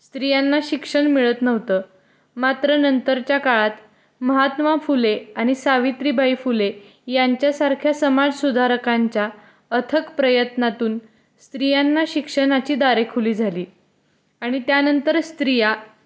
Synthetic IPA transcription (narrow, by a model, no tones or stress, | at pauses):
st̪ɾijanːaɕikʂəɳmiɭət̪nəʋ̤t̪əː | mat̪ɾənənt̪əɾt͡ɕjakaɭat̪ | məɦat̪mafuleaɽ̃isaʋit̪ɾiːbʱaifule | jaɲt͡ɕjasaɾkʰjasəmad͡zsud̪ʱaɾəkaɲt͡ɕja | ət̪ʰəkpɾəjət̪nat̪uːn | st̪ɾijanːaɕikʂənat͡ɕiːd̪aɾekʰuliːd͡zʱaliː | aɽ̃it̪janənt̪əɾst̪ɾija